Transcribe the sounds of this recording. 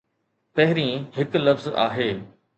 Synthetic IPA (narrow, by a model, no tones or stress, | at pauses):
pɐɦɪɾĩhɪklɐfza̰ːɦeː